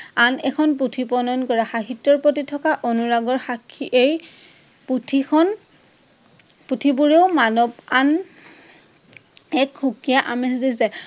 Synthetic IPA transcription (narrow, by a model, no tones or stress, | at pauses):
anɛkʰɔnp̬utʰipɔnɔnkɔɹaxaɦitːɔɹpotitʰɔkaʔonuɹaɡɔɹxakʰːiʔej | putʰiɔn | putʰibuɹeʊmanɔban | ɛkxukijaʔamɛs̬dis̬ɛ